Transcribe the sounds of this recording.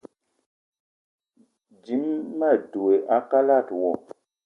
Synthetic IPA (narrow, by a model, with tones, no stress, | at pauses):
d͡ʒi˨˦mːa˦˨du˨e˨ʔa˦ka˦la˦˨twɔ˨